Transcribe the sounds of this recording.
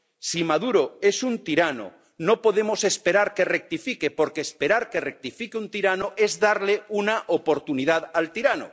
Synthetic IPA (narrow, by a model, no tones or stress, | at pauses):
simaðuɾoe̞sunt̪iɾano̰ | no̞po̞ðe̞mo̞se̞spe̞ɾaɾke̞rek̚t̪ifike̞po̞ɾkeːspe̞ɾaɾke̞rek̚t̪ifikeunt̪iɾanoʔe̞zðaɾleunaʔopo̞ɾt̪uniðaðalt̪iɾano̰